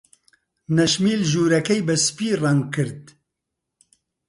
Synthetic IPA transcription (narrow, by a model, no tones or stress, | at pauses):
nɛʃmiːlʒuːɾɛkɛjbɛspiːraŋ̚kɨɾd̪̚